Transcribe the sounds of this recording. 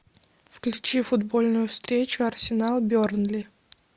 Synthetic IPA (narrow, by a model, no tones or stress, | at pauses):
fklʲʉt͡ɕifʊd̪bo̞lʲnʊjʊfst̪ɾʲet͡ɕʊɐrsʲɪnalˠbʲornlʲɪ